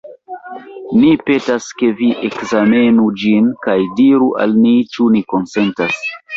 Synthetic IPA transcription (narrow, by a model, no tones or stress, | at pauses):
nipe̞taske̞viʔekzame̞nud͡ʒinkajdiɾuʔa̰lmit͡ʃuniko̞nse̞ntas